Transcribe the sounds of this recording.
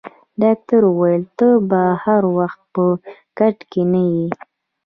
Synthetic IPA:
ɖɑk̚t̪aɾuwajəlt̪əbahaɾwaxt̪̚pəkaʈkenaji

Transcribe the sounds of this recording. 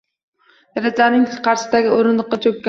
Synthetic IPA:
jaɾazanɪŋqʰɑɾsɪ̥d̪aɡʲɪoɾɪnd̪ɨqːɑt͡ʃʰokʲː

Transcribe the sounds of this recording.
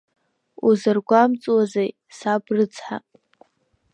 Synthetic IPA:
uzɨrɡʷamt͡sʼwazej | sabrɨt͡sʰħa̰

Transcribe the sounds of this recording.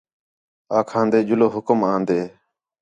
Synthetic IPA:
aːkʰãːnd̪eːd͡ʒʊloːɦʊkəmãːnd̪eː

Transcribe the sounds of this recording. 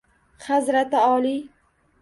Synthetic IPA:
hazɾat̪ɪɒli

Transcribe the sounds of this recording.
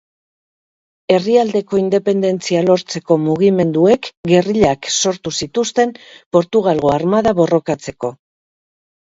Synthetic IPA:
e̞riald̪e̞ko̞ind̪e̞pe̞nd̪e̞nt͡sialo̞ɾt͡se̞ko̞muɣ̞ime̞nd̪ue̞kɡe̞riʎakso̞ɾt̪usit̪ust̪e̞mpo̞ɾt̪uɣ̞alɣo̞aɾmaðaβo̞ro̞kat͡se̞ko̞

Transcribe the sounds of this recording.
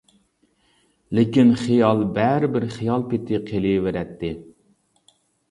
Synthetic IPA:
lɪkʲinχijɑlˠbɛɾɪbɪɾχijɑlˠpɪt̪ʰɪqʰeliveɾɛt̪ʰːɪ

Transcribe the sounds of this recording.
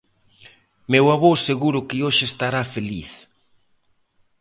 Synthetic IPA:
mewaβoseɣuɾʊkɪoʃɪest̪aɾafeliθ

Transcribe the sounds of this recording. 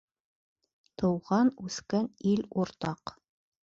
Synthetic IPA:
t̪ɤ̆wʁɑnʉθkæniluɾt̪ɑq

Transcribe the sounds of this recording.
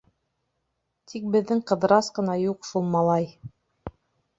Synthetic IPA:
t̪ʰik̚bɘ̆ðːɘŋqɤ̆ðɤ̆ɾɑsqɤ̆nɑjuqʃulˠmɑlˠɑj

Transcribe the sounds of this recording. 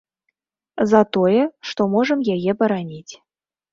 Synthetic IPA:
zɑt̪ojəʂt̪omoʐə̆mjeɣʲebəɾɑnʲitʲ

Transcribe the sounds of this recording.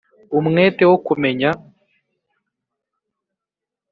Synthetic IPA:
umweːtewokumeɲa

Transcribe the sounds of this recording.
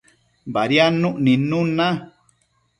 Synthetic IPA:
baɾjanũʔnĩnũnã

